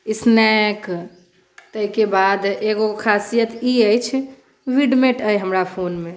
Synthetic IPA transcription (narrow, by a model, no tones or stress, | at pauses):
isnɛk | t̪əɦikebad̪eɡokʰasijət̪iəjt͡ʃʰ | ʋiɖmeʈəjɦəmɾapʰonme